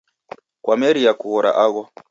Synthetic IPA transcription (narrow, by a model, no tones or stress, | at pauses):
kwamɛɾiakuɣɔɾa̰ʔaɣɔ